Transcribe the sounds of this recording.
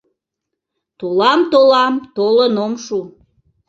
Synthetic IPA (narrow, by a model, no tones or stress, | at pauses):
t̪olɑmt̪olɑmt̪olənomʃu